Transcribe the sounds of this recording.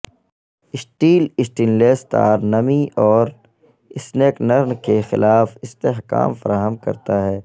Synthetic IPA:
ɪsʈiːlɪsʈiːnleːst̪a̰ːɾnɐmiʔɔːɾ | ɪsneːknɐɾnkexɪ̰laːfɪst̪eːɦka̰ːmfəɾaːɦəmkɐ̰ɾt̪aɦɛː

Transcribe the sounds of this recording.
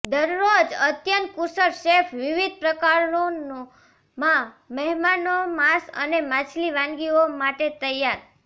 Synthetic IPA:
d̪əɾːod͡ʒət̪jənt̪̚kusəɾʃefʰʋiʋid̪̚pɾəkaɾo | mã | məɦmanomasə̰nemat͡ʃʰliʋãŋɡiomaʈet̪əjaɾ

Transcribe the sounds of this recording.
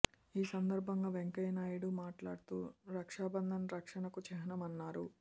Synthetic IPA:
iːsɐnd̪ɐɾbʱɐŋɡaːʋeŋkɐjnaːjiɽumaːʈla̰ːɽut̪uːɾɐkʂaːbɐnd̪ʱɐnɾɐkʂɐɳɐkut͡ʃɛɦɐnɐmɐnːaːɾu

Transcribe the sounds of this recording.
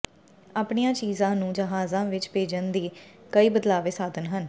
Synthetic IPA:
aːpɳijãːt͡ʃiːzãːnũːd͡ʒəɦaːzãːʋɪt͡ʃpeːd͡ʒənd̪iːkəiːbəd̪laːʋeːsaːd̪ənɦən

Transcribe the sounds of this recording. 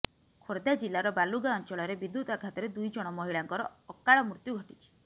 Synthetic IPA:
kʰoɾd̪ad͡ʒilːaɾɔbaluɡaɔnt͡ʃɔɭɔɾebid̪ːut̪aɡʰʱat̪ɔɾed̪ujd͡ʒɔɽ̃ɔmɔɦiɭaŋkɔɾɔːkaɭɔmɾut̪juɡʱɔʈit͡ʃʰi̥

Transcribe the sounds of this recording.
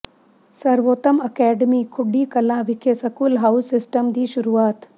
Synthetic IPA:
sɐɾʋoːt̪əmɐkɛːɖəmiːkʰʊɖiːkɐlãːʋɪkʰesɐkuːlɦaʊsːɪsʈəmd̪iːʃʊɾuːaːt̪

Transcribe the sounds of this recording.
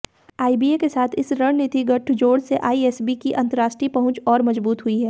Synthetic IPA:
aːibiːekesaːt̪ʰɪsɾɐɽ̃nɪt̪iɡɐʈʰd͡ʒoːɽseʔaːiɛːsbikiʔɐ̃nt̪əɾaːʃʈɾipɐɦʊ̃t͡ʃɔːɾmɐzbuːt̪ɦʊiɦɛː

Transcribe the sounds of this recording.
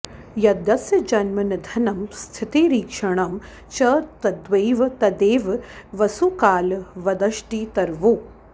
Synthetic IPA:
jɐd̪ɐsjɐd͡ʒɐnmɐnɐd̪ʱɐnɐmst̪ʰit̪eːɾiːkʂɐɳ̃ɐm | t͡ʃɐt̪ɐd̪ʋɐːʋt̪ɐd̪eːʋʋɐsukaːlʋɐd̪ɐʃʈiːt̪ɐɾʋoː

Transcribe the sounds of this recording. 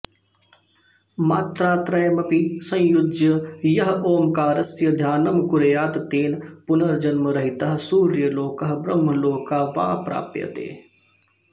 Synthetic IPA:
maːt̪ɾaːt̪ɾɐjmɐpisɐ̃jʊd̪jəjɐɦoːmkaːɾɐsjɐd̪ʱjaːnɐmkʊɾejaːt̪t̪eːnpʊnɐɾd͡ʒɐnmɐɾɐɦit̪ɐɦsuːɾjəloːkɐɦbɾɐmːɐloːkːaːʋã̰ːpɾa̰ːpjɐ̰t̪ḛː

